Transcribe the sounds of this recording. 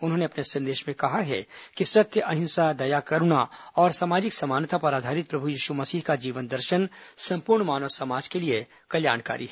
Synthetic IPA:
ʊnɦõːneɐpnesɐ̃nd̪eːʃmẽkɐɦaɦɛ̰kisɐt̪jəʔɐɦɪ̃nsad̪ɐjakɐɾunaɔːɾsaːmaːd͡ʒɪksɐmaːnt̪ʰapɐɾaːd̪ʱaːɾɪt̪̚pɾɐbʱujiːʃumɐsiːɦkad͡ʒiːʋənd̪ɐɾʃənsɐ̃mpuɾɳmaːnɔsɐmaːd͡ʒkelie | kɐlja̰ːɳka̰ːɾḭɦɛː

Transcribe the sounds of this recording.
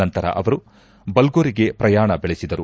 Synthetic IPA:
ɐnt̪ɐɾɐ̰ʔɐʋɐɾu | bɐlɡoːɾiɡe̞pɾɐjaːɳɐbeɭesid̪ɐɾu

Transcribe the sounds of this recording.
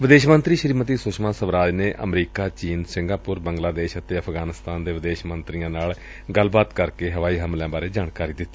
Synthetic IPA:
ʋɪd̪eːʃmənt̪ɾiːʃəɾiːmət̪iːsʊʃmãːsəʋɾaːd͡ʒneːʔʔə̰mɾiːkaːt͡ʃiːnsɪ̃ŋɡaːpʊɾbəŋɡlaːd̪eːʃət̪eːəpʰɡaːnɪst̪aːnd̪eːʋɪd̪eːʃmənt̪ɾijãːnaːl | ɡəlbaːt̪kəɾkeːɦəʋaːiːɦəmlãːbaːɾeːd͡ʒaːɳkaːɾiːd̪ɪt̪ːi

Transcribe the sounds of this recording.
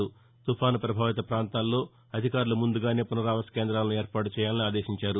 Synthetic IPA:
u | t̪upʰaːnupɾɐbʱaːʋit̪ɐpɾaːnt̪aːlːo̞ː | ɐd̪ʱikaːɾulumund̪uɡaːne̞ːpunɐɾaːʋɐskeːnd̪ɾaːlɐnueːɾpaːʈut͡ʃɛːjaːlɐniaːd̪e̞ːʃiɲt͡ʃaːɾu

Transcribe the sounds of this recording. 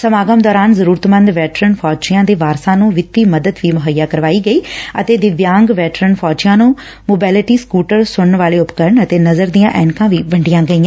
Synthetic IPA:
səmaːɡəmd̪ɔːɾaːnzəɾuːɾət̪mənd̪ʋɛːʈɾənpʰɔːt͡ʃɪjãːd̪eːʋaːɾsãːnũːʋɪt̪ːiːməd̪əd̪ʋiːmʊɦəjːaːkəɾʋaːiːɡəiːət̪eːd̪ɪʋjãːŋɡʋɛːʈɾənpʰɔːt͡ʃɪjãːnũː | moːbɛːlɪʈiːskuːʈəɾsʊɽnʋaːleːʊpkəɾɳət̪eːnəzəɾd̪ijãːʔɛːnkãːʋiːbəɳɖɪjãːɡəĩːãː

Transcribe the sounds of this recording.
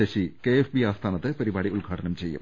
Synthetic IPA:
ɐɕikeefbiaːst̪ʰaːnɐt̪ːɨpɐɾibaːɽiuɭɡʱaːʈɐnɐmt͡ɕe̞jːṵm

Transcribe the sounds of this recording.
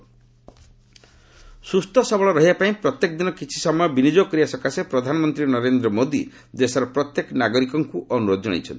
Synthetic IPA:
sust̪ʰɔsɔbɔɭɔɾɔɦiapaĩpɾɔt̪jekɔd̪inɔkit͡ʃʰi̥sɔmɔjɔbinid͡ʒokɔɾiasɔkasepɾɔd̪ʱanɔmɔnt̪ɾinɔɾend̪ɾɔmod̪ḭ | d̪esɔɾɔpɾɔt̪jekɔnaɡɔɾikɔŋkuʔɔnuɾod̪ɔd͡ʒɔɽ̃a̰jt͡ʃʰɔ̰nt̪i

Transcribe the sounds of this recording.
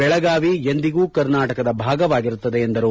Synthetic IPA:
bɛɭɐɡaːʋiend̪iɡuːkɐɾnaːʈɐkɐd̪ɐbʱaːɡɐʋaːɡiɾut̪ːɐd̪eːnd̪ɐɾu

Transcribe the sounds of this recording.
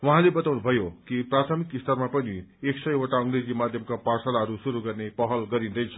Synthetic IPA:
wʌɦãlebʌt̪awnubʱʌjokiprat̪ʰʌmikist̪ʰʌrmapʌnieksʌjoʈaʌŋɡred͡zimad̪ʱjʌmkaparsalaɦʌɾusuɾuɡʌrnepʌɦʌlɡʌɾĩnd̪ʌjt͡sʰʌ̥

